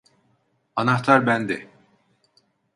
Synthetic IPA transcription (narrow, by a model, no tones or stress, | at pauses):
anaxt̪ʰaɾbænd̪ɛ